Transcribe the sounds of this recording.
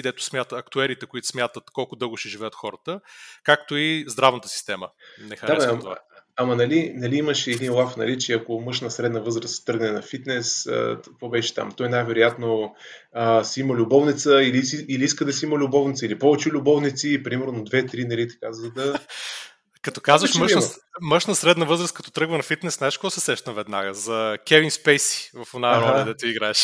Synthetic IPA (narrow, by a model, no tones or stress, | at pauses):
id̪ɛt̪ʊ̥smʲjat̪əɐkt̪uɛɾit̪ɛkoit̪ʊ̥smʲjat̪ət̪kɔlˠkʊd̪ɤɡʊʃɛʒivɛjət̪xɔɾət̪əkak̚t̪oizd̪ɾavnət̪ə̥si̥st̪ɛmənɛxɐɾaɛat̪ovaɐmɐnɐlinɐliiməʃɛːd̪inlˠafnɐ̰lit͡ʃiɛɐkomɤʃnəsɾɛd̪nəvɤzɾəst̪ːɤɾɡnɛnɐfit̪nɛskvɔbɛʃɛ̥t̪a̰mt̪ɔjnajvɛɾʊjat̪no | əsiiməlʲʊbɔvnit̪səiliiiliiskəd̪ɐsiiməlʲʊbɔvnit̪səilipɔvɛt͡ʃɛlʲʊbɔvnit̪sipɾimɛɾnonɐd̪vɛt̪ɾinɐlit̪ɐ̥kazɐd̪ɐ | kɐt̪ɔ̥kazvɐʃməʃnməʃnəsɾɛd̪nəvɤzɾəskɐt̪ɔ̥t̪ɾɤɡvənɐfit̪nɛsnaɛʃkoɔsɛsɛʃt̪ɐnvɛd̪na̰ɡəzɐkʲɛvinspɛjsi̥vɐfonaɾɔlɐd̪ɛt̪uiɡɾaɛʃ